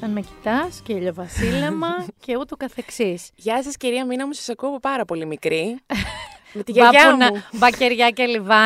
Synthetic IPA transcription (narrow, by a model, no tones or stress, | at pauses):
t̪ɐnmeci̥t̪ɐsceʎovɐsilemɐce̞ut̪okɐθe̞ksisʝɐsɐsciɾiɐminɐmusɐ̥sɐkuoɐpopɐɾɐpo̞limikɾi | met̪iʝɐɾɐɐunɐubɐceɾʝɐcelivɐ